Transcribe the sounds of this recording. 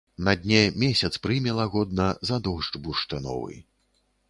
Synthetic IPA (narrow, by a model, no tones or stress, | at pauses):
nɐd̪ʲnʲɛmʲɛsʲɐt̪spɾɨmʲɛlˠɐɣɔd̪̚nɐzad̪ɔʐbuʂt̪ɨnɔ̰vɨ̰